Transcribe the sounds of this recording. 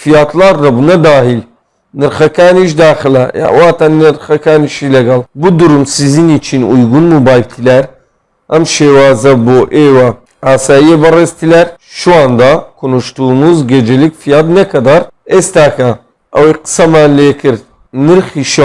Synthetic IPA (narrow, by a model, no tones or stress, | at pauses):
fijaːt̪laːɾːɐbunɐd̪aːhil | nɨɾxɐkaːniʃ̬d̪aːxɨlɐja̰waːt̪annɨɾxɐkaːniʃilɛɡɐlbud̪uɾumsizinit͡ʃʰinujɡunmubaːjb̚t̪ʰilɛɾ | ɐmʃeːwaːzɐboːʔeːwɐ | aːsaːjiebɐreːzt̪ʰilɛɾʃuaːnd̪aːkʰunuʃt̪unuzɡed͡ʒelikfijaːd̪nɐkʰɐd̪aɾest̪aːkɐ | ɐ̰wiqɨ̥sɐmaːnleːkʰɨɾd̪ | nɨɾxiʃ